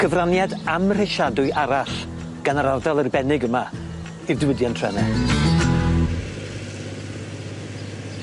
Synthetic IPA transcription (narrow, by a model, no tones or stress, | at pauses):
ɡ̥əvranjadamr̥ɪʃadʊɨʔaɾaɬ | ɡ̥anaɾardalˠərbɛnɪɡəma | ɨvdɪwədjantʰrɛnɛ